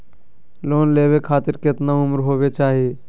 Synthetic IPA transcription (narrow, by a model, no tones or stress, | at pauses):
loːnleːʋekʰaːt̪ɪɾkɪt̪naʊmɾɦoːbet͡ʃaːɦie